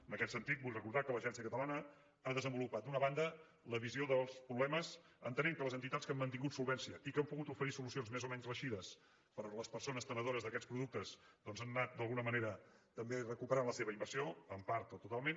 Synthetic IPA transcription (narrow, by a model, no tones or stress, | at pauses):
ənəkɛt̪sənt̪it̪̚buʎʲrəkuɾðakələʒɛns̬iəkət̪əlanə | aðəzəmbulupat̪̚d̪unəβand̪ə | ləβ̞izioðəlˠspɾuβlɛməz | ə̰nt̪əneŋkələzənt̪it̪atskamːənt̪̬iŋɡut̪sulˠβɛnsiəʔikəmpuɣut̪ufəɾisulusionzmezomɛɲzrəʃiðəs | pəɾləspəɾsonəst̪ənəð̞oɾəzðəkɛspɾuðuk̚t̪əz | d̪ɔnzanːat̪̚d̪əlˠɣunəməneɾət̪əmberəkupəɾanləseβəimbəɾsioəmpaɾt̪ot̪ut̪alˠmen